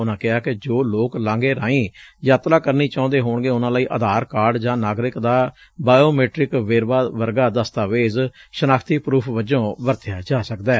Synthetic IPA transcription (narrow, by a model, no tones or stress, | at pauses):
ʊnãːkɪɦaːkɪd͡ʒoːloːklãːŋɡeːɾãːĩːjaːt̪ɾaːkəɾniːt͡ʃãːnd̪eːɦoːɳɡeːʊnãːlaːiːʔəd̪aːɾkaːɖd͡ʒãːnaːɡɾɪkd̪aː | baːjoːmeːʈɾɪkʋeːɾʋaːʋəɾɡaːd̪əst̪aːʋeːzʃənaːkʰt̪iːpɾuːpʰʋəd͡ʒõːʋəɾt̪ʰɪjaːd͡ʒaːsəkd̪aː